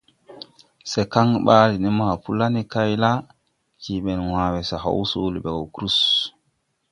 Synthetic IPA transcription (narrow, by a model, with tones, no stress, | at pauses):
sɛ˨ka˦ŋɓaː˦li˨ni˦ma˨pu˦la˦ni˦ka˦jla˦ | kiɓɛ˨nwaː˨wɛ˨sa˨ɦa̰˦wsoː˦li˨ɓɛ˨ɡɔ˨wkɾu˦s